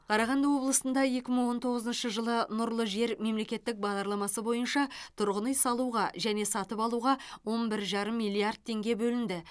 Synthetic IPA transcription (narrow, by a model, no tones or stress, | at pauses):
qʰɑɾɑʁɑnd̪əwo̞blˠəsənd̪ɑje̞kʲɪməɴwo̞nt̪ʰo̞ʁəzənʃəʒəlˠənʊɾlˠəʒe̞ɾme̞mle̞kʲe̞t̪ːɪk̚bɑʁd̪ɑɾlˠɑmɑsəbo̞jənʃɑt̪ʰʊɾʁənəjsɑlˠuʁɑʒæne̞sɑt̪əpɑlˠuʁɑwo̞nbɪɾʒɑɾəmːijlˠiard̪̚t̪ʰe̞ŋɡʲe̞bɵlɪnd̪ɪ